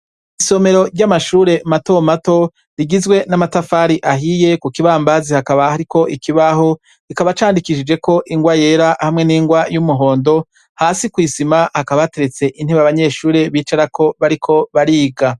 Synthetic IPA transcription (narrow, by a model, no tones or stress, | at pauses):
iso̞me̞ɾo̞ɾɟamaʃuːɾe̞mato̞mato̞ | ɾiɡizɡwe̞namatafaːɾiʔaɦije̞kukiβaːmbazihakaβahaɾiko̞ʔikʰiβaho̞ | ikaβat͡ʃaːndikiʃid͡ʒe̞ko̞ʔiŋɡwaje̞ːɾahamŋe̞niːŋɡwajumuɦo̞ːndo̞ | haːsikwiːsimahakaβaate̞ɾet͡se̞ʔin̥heβaβaɲe̞ʃuːɾe̞βiːt͡ʃaɾako̞βaɾikʰo̞βaɾiːɡa